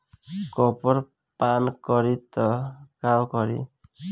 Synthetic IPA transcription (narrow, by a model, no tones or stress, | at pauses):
kɔpɔɾ | pankɔɾit̪ɔkawkɔɾḭ